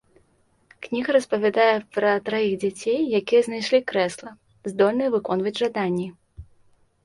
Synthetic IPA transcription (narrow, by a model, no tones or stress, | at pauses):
knʲiɣɐɾɐspɐvʲad̪ajɛpɾɐt̪ɾajiɣd͡zʲat͡sʲejːakʲijɛznajʂlʲikɾɛslˠɐ | zd̪ɔlʲnɐjɛvɨkɔn̪vɐd͡zʲʐad̪anʲːi